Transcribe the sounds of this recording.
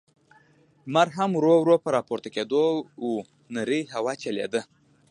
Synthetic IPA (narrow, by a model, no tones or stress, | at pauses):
maɾɦamɾowɾopəɾɑpoɾt̪aked̪ou | nəɾiɦawɑt͡ʃelḛd̪ə